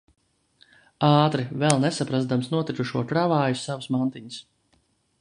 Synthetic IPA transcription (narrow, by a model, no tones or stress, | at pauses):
aːt̪ɾivɛlˠnɛsapɾazd̪amsnuɔt̪ɾik̪uʃuɔkɾavaːjusavsmant̪iɲəs